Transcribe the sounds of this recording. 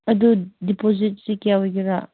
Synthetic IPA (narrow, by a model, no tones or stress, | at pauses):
ɐdudipozit̚sikijawɡiɾaʔ